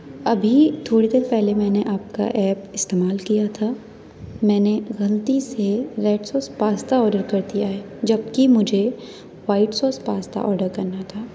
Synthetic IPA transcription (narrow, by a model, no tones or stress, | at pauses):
ɐbʱit̪ʰoːɽid̪eːɾpɛɦlemɛ̃ːneʔaːp̚ka̰ʔɛːpɪst̪eːmaːlkijat̪ʰaː | mɛ̃ːneɣɐlət̪iseɾeːɖsɔːspaːst̪aɔːɾɖəɾkɐɾt̪iaːɦɛː | d͡ʒɐbkimʊd͡ʒʱe | waːɪʈsɔːspaːst̪a̰ʔɔːɾɖəɾkɐɾnat̪ʰaː